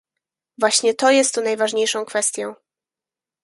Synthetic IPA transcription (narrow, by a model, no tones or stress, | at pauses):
vwaɕɲɛt̪ɔjɛst̪ːunajvaʐɲejʂɔ̃w̃kfɛst̪ʲjɔ̃w̃